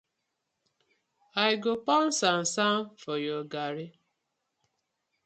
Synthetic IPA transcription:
aɪɡopɔn̩san̩samfɔjoɡaɾɪ

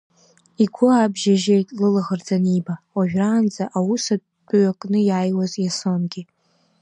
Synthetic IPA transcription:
iɡʷʊabʒaʒejtʼlɨlaʁərd͡zaniba | oʒᶣraːnd͡zaʔawusa | pʼɥakʼnɨjaːjwazjasonɡʲɪ

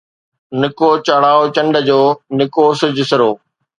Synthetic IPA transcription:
nɪkot͡ɕɐɽaːot͡ɕɐ̃ɳɖə̆d͡ʑoːnɪkoːsɪd͡ʑɪsɪɾoː

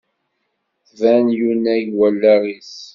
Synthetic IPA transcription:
vænjunæjwælːæɾis

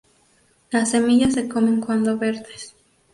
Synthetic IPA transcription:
lasːe̞miʝas̬ːe̞ko̞me̞ŋkwand̪oβe̞ɾðes

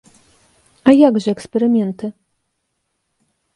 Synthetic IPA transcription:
ajaɡʐɛɛkspɛɾɘmʲjɛnt̪ɘ

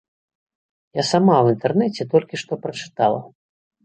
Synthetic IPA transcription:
jasamawint̪ɛrnɛt͡sʲɛt̪ɔlʲkʲiʂt̪ɔpɾɐt͡ʂɨ̥t̪alˠɐ̰

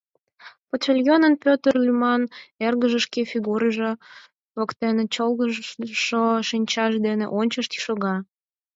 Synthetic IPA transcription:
pot̪t͡ɕelʲjonənpʲøt̪ərlʲymɑnerɣəʒə̆ʃkefiɣuɾəʒe | βəkt̪enet͡ɕolɣəʃoʃinʲt͡ɕɑʃd̪enḛʔonʲt͡ɕəʃt̪i̥ʃoɣɑ

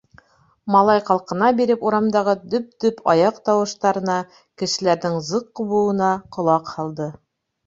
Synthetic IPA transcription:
mɑlˠɑjqɑlˠqɤ̆nɑbiɾɘpuɾɑmd̪ɑʁɤd̪ɵp̚d̪ɵpʰɑjɑqt̪ɑwɤ̆ʃt̪ɑɾɤ̆nɑ | kɘ̆ʃɘ̆læɾðɘŋzɤqːŏβŭɤ̆nɑqŏlˠɑqhɑlˠd̪ɤ

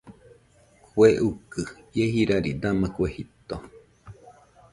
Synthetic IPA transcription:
kweʔukɨjehiɾaɾḭd̪amakʷehit̪o

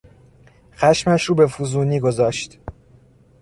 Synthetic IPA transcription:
xæʃmæʃɾuːbe̞fuzuːniːɡozɒːʃt̪

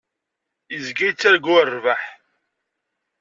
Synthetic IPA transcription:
əzɡijt͡sːæɾɡʊrːvaħ

